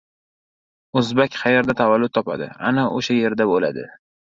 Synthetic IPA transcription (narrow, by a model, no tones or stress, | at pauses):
ɵzbakʲχɑjeɾd̪at̪ʰavalːʊt̪ːʰɒpa̰d̪ɪ̰a̰naʔoʃaje̞ɾd̪abola̰d̪ɪ̰